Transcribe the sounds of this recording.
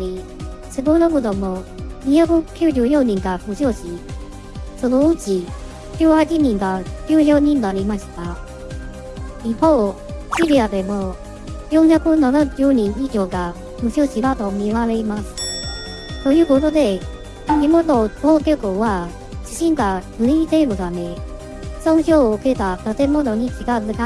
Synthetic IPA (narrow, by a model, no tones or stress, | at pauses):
ɾʲi | sɨɡonoɡod̪omo̞ɲ̟içakɯ̟kʲɨːʑɨːjõ̞ɲ̟ĩŋɡaɸɯ̟ɕoɕi | so̞no̞ɯt͡ɕi | kʲɨːhat͡ɕiɲ̟ĩŋɡakʲɨːjo̞ːɲ̟ĩnːaɾʲimaɕi̥t̪a | ipoː | ɕiɾʲiad̪e̞mo̞ | jõŋhakɯnanad͡ʑoːɲ̟ĩŋikʲo̞ːɡa | mɯ̟ɕoɕiβat̪o̞mʲiβaɾeimasɨ̥ | t̪o̞jɯ̟ːko̞t̪o̞d̪e̞ | imononokekoβa | t͡ɕiɕĩŋɡaɡɯ̟ĩte̞mod̪ame̞ | sõçoːɯ̟ke̞t̪at̪at̪e̞mo̞no̞ɲ̟it͡ɕiɡazɯka